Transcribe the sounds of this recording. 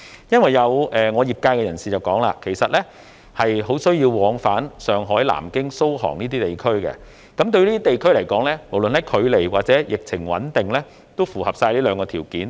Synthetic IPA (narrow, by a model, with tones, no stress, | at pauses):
jɐ˥nwɐ˨jːɐ˨˧wʔɛː˨ŋɔː˨˧jiː˨p̚kaː˧jkɛ˧jɐ˨˩nsiː˨˩t͡sɐ˨wkɔː˨˥ŋla̰ː˧kʰe˨˩jsɐ˨t̚lɛː˥ | hɐ˨jɦo˨˥wsɵ˥ɥjiː˧wwɔː˨˥ŋfaː˨˥nsœː˨ŋɦɔː˨˥jla̰ː˨˩mkɪ˥ŋso˥whɔ̰ː˨˩ŋniː˥t̪iː˥t̪e˨˩jkʰɵ˥ɥkɛ̰˧ | kɐ˨˥mt̪̬ɵ˧ɥliː˥t̪iː˥t̪e˨jkʰɵ˥ɥlɐ˨˩jkɔː˨˥ŋlɛː˥mo˨˩wlɵ˨nhɐ˨˥kʰɵ˨˧ɥle˨˩jwaː˨t̚t͡sɛː˨˥jɪ˨k̚t͡sʰɪ˨˩ŋwɐ̰˨˥nt̪ɪ˨ŋlɛː˥ | t̪o˥wfuː˨˩hɐ˨p̚saː˧jliː˥lœː˨˧ŋkɔː˧t̪ʰiː˨˩wkiː˨˥n